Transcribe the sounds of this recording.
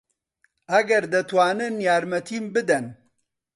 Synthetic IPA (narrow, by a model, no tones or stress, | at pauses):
ʔɐɡɐɾd̪ɐt̪waːnɨnjaːɾmɐt̪ʰiːmbɨd̪ɐn